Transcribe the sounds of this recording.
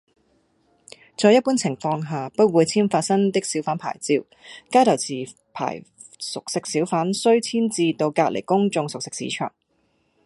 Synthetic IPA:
t͡sɔː˧jɐ˥t̚puː˥nt͡sʰɪ˨˩ŋfɔː˧ŋɦaː˨pɐ˥t̚wuː˨˧jt͡sʰiː˥nfaː˧t̚sɐ˥ŋt̪ɪ˥k̚siː˨˥wfaː˨˥npʰa̰ː˨˩jt͡siː˧w | kaː˥t̪ʰɐ˨˩wt͡sʰiː˨˩ | pʰa̰ː˨˩j | sʊ˨k̚sɪ˧˥k̚siː˨˥wfaː˨˥nsɵ˥ɥt͡sʰiː˥nt͡siː˧t̪o˧wkaː˧lḛ˨˩jkʊ˥ŋt͡sʊ˧ŋsʊ˨k̚sɪ˥k̚sḭ˨˥t͡ʃʰœ̰ː˨˩ŋ

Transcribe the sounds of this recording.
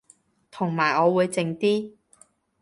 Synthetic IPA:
t̪ʰʊ˨˩ŋmaː˨˩jɔː˨˧wuː˨˧jt͡sɪ˧ŋt̪iː˥

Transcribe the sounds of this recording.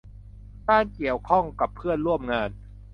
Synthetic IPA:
t̪aː˥˩nki˨˩əwkʰɔ˥˩ŋka˨˩pʰːɯ˥˩ənɾu˥˩əmŋaː˧n

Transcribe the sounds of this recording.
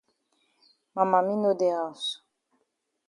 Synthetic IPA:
ma˨ma˨mĩ˦no˦d̪e˨a˨su̥

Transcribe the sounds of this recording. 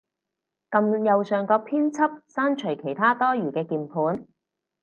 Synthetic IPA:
kɐ˧mjɐ˨wsœː˨ŋkɔː˧k̚pʰiː˥nt͡sʰɐ˥p̚saː˥nt͡ʃʰɵ˨˩jkʰe˨˩jt̪ʰaː˥t̪ɔː˥jyː˨˩kɛː˧kiː˨˩npʰuː˨˥n

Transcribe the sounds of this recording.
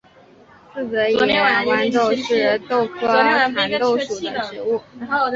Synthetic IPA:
t͡s̩˥˩t͡sə˧˥jɛ˨˧˥wa˥nʈ͡ʂo˥˧ʊʂɻ̩˥˧t̪o˥˩ʊkʰɤ˥˧a˧˥ŋt̪o˥˩ʊʂu˨˩ə̰˦ʈ͡ʂɻ̩˧˥u˥˩

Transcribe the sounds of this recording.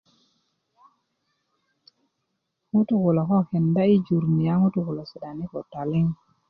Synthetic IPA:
ŋu˦tu˨ku˨lo˨kɔ˦ke˨nda˦i˦d͡ʒu˨ɾni˨ja˦ŋu˦tu˨ku˨lo˨si˨da˨ni˦ko˨ta˨li˦ŋ

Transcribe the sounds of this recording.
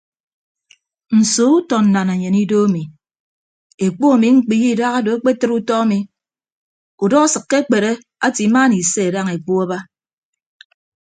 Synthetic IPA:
n̩˨so˦u˦tɔ˨n̩˨na˨na˨ɲe˨ni˦do˦a˦mi˨ | e˨k͡po˦a˨mi˨ŋ͡m̩˦k͡pi˨ji˦˨da˦ɣa˦do˨e˦k͡pe˦tɨ˦ɾu˦tɔ˦a˦mi˨ | u˨dɔ˦a˦sɨ˨kːe˦k͡pe˨ɾe˦ | a˦ti˨˦ma˦ni˨se˦e˨da˦ŋe˨k͡po˦a˦ba˦

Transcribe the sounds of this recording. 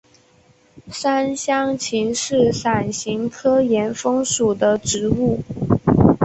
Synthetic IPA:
ʂa˥nɕjɑ˥ŋt͡ɕʰi˧˥ŋʂɻ̩˥˩sa˨˩nɕi˧˥ŋt̪ʰɤ˥jɛ˧˥nfɤ˥ŋʂu˨˩d̪ə˦ʈ͡ʂɻ̩˧˥u˥˩

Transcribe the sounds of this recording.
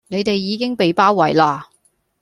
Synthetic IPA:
ne˨˧jt̪e˨jːiː˨˧˥kɪ˥ŋpe˨jpaː˥wwɐ˨˩jlaː˥˧

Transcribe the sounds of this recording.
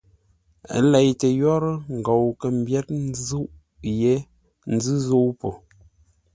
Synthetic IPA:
lɛ˨jtə˨jɔ˦ɾə˦ŋ̩˨ɡo˨wkə˨m̩˦bjɛ˦t̚n˦zu˦ʔ | je˦ | n̩˦zɨ˦zo˦wpo˨

